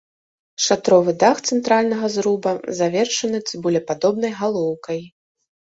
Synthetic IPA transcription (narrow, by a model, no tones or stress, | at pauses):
ʂat̪ɾɔvɨd̪axt̪sɛnt̪ɾalʲnɐɣɐzɾubɐzavʲɛrʂɐnɨt͡s̪ʲibulʲɛpad̪ɔbnɐjɣalˠɔwkɐj